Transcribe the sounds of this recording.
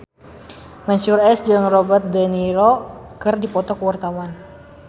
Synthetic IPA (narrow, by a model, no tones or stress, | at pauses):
mɛnsurɛsd͡ʒɨŋrɔbərt̪̚daniɾɔkɨrdipɔt̪ɔkəwart̪awan